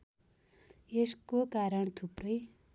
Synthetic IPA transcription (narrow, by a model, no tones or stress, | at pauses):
eskokaɾʌɳ̃t̪ʰuprʌj